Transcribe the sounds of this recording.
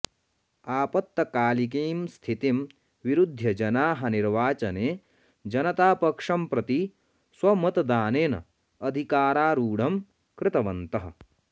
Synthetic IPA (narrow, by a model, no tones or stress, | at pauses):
aːpɐt̪ːɐkaːlik̬eːmst̪ʰit̪im | ʋiɾud̪ʱːjɐd͡ʒɐnaːɦɐniɾʋaːt͡ʃɐneː | d͡ʒɐnɐt̪aːpɐkʂɐmpɾɐt̪i | swɐmɐt̪ɐd̪aːneːnɐ̰ | ɐd̪ʱikaːɾaːɾuːɽɐm | kɾɪt̪ɐʋɐnt̪ɐɦɐ̰̆